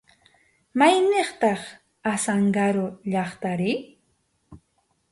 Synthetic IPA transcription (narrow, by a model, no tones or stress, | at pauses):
majneχt̪ɑχ | asaŋɢaɾʊʎɑχt̪aɾɪ